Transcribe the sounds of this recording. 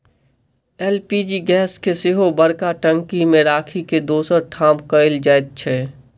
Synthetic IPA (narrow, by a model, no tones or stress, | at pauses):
ɛːlpid͡ʒiɡɛːskesɪɦobəɽkaʈə̃ŋkimẽɾaːkʰiked̪oːsəɾʈʰaːmkəɪld͡ʒaːɪt̪̚t͡ʃʰɛ